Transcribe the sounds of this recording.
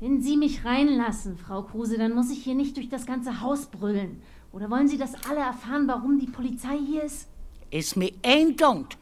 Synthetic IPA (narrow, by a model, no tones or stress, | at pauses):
vɛnziːmɪçʁaɪnlasn̩fʁ̥aʊkʁ̥uːzədanmʊsɪçhiːɐnɪçt̚d̥ʊɐçd̥asɡ̥ant͡səɦaʊsb̥ʁʏlən | ʔʔoːɾɐvɔlənziːdasʔaləɛɐfaːʁənvaʁʊmdiːpʰolit͡saɪhiːɐɪstɪsmiɛndɔŋt